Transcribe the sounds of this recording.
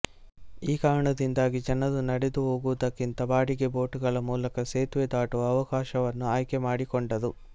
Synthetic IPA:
iːkaːɾɐɳɐd̪ind̪aːɡid͡ʒɐnɐd̪unɐɽed̪uɦoːɡuʋɐd̪ɐkːint̪ɐbaːɽiɡebo̞ːʈuɡɐɭɐmuːlɐkɐseːt̪ʋed̪aːʈuʋɐɐʋɐkaːʃɐʋɐnːuaːjkemaːɽikɔɳɖɐd̪u

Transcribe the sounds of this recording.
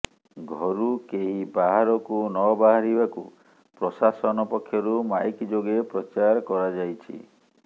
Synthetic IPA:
ɡʱɔɾukeɦibaɦaɾɔkunɔbaɦaɾibaku | pɾɔsasɔnɔpɔkʰːjɔɾumajkid͡ʒoɡepɾɔt͡ʃaɾɔkɔɾad͡ʒajt͡ʃʰḭ

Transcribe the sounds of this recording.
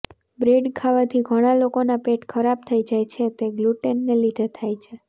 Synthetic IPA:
bɾeɖkʰaʋat̪ʰiɡʱəɽ̃alokonapeʈkʰəɾab̚t̪ʰəid͡ʒajt͡ʃʰet̪eɡluʈenːelid̪ʱet̪ʰajt͡ʃʰe

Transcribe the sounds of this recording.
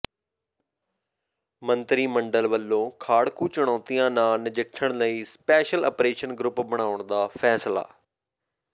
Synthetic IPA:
mə̃nt̪ɾiːmə̃ɳɖəlʋəlːõːkʰaːɽkut͡ɕʊɽ̃ɔːt̪ijãːnaːnɪd͡ʑɪʈʰəɽ̃ləiːspɛːʃəlɐ̰ːpɾeːʃənɡɾʊpbəɽ̃aːʋʊɽ̃d̪aːfɛːsla̰ː

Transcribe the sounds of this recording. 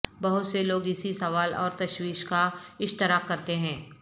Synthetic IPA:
bɐɦʊt̪seloːɡɪsisɐʋaːlɔ̰ːɾt̪ɐʃwiːʃkaɪʃt̪ɪɾaːkːɐɾt̪eɦɛ̃ː

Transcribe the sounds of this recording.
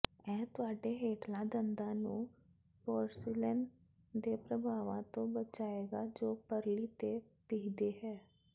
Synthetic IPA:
ɛ̃ːt̪ʊaːɖeɦeːʈlãd̪ə̃nd̪ãnũ | pɔːɾsilən | d̪epɾəbʱaːʋãt̪õbət͡ʃaːeːɡad͡ʒoːpəɾlit̪e | pɪɦd̪eɦɛː

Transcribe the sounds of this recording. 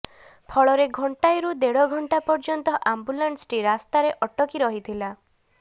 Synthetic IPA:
pʰɔɭɔɾeɡʱɔɳʈajɾud̪eɽɔɡʱɔɳʈapɔɾd͡ʒɔnt̪ɔʔambulaɳsʈiɾast̪aɾeʔɔʈɔkiɾɔɦit̪ʰila

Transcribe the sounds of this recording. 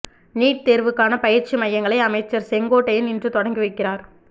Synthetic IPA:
niːʈ̚t̪eːɾʋɯkːaːnɐpɐjɪɾt͡ʃimɐjːɐŋɡɐɭɐɪɐmɐɪt͡ʃːɐɾsɛŋɡoːʈːɐjɪnɪndrɯt̪ɔɽɐŋɡɯʋɐɪkːɪraːɾ

